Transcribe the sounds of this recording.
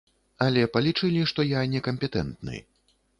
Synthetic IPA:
ɐlʲɛpɐlʲit͡ʂɨlʲiʂt̪ɔjanʲɛkɐmʲpʲɛt̪ɛ̰nt̪nɨ̰j

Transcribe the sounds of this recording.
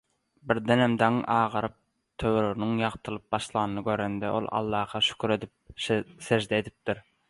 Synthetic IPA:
bɪɾd̪enæmd̪ɑŋʔɑːʁɑɾɯp̚ | t̪ʰøwɾoɾnyŋjɑʁt̪ʰɯlˠɯp̚bɑʃlˠɑnnɯɡʲøɾend̪ɛʔo̞̰lˠɑ̰lˠːɑːhɑʃy̥kʲʰyɾe̞d̪ip̚seʒd̪eːd̪ip̚t̪iɾ

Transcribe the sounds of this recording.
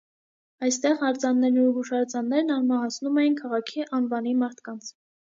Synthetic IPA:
ɑjst̪ɛʁɑɾt͡sɑnːɛɾnubuʃɑɾt͡sɑnːɛɾnɑɾmɑɦɑt͡sʰnumɛjinkʰɑʁɑkʰiʔɑnvɑnimɑɾt̪ʰkɑnt͡sʰ

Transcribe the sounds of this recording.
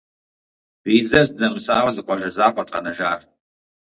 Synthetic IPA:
wʷiːd͡zɐzdɨnɐmɨsaːʁɐzɨqʷɔʒɐzaːqʷʼɔtʼqɐ̰nɐʒaːr

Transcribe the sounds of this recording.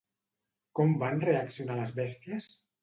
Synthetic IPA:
kɔmbanreaksijunaləzβɛst̪iəs

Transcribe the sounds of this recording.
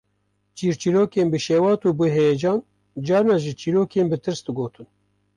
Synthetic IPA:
t͡ʃiːɾt͡ʃiɾoːkeːnbɨʃeːwɑːt̪uːbɨɦed͡ʒɑːn | d͡ʒɑːɾnɑʒɨt͡ʃiːɾoːkeːnbɨt̪ʰɨɾsd̪ɨɡoːt̪ʰɨn

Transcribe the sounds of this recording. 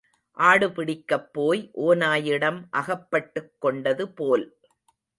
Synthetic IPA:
ʔaːɽɯpɪɽɪkːɐpːoːjʔoːnaːjɪɽɐmʔɐɣɐpːɐʈːɯkːɔɳɖɐðɯpoːl

